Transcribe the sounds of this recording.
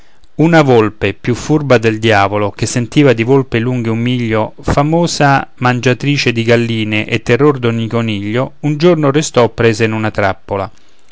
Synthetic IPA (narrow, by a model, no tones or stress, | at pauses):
unavolpepjufːurbad̪eld̪jaːvolok̟esːent̪iːvad̪ivolpeluŋɡeumːiʎːofamoːzamand͡ʒat̪ɾiːt͡ʃed̪iɡalːiːneʔet̪ːerːord̪onikoniʎːound͡ʒornorest̪ɔpːɾeːzeinunat̪ɾa̰pːola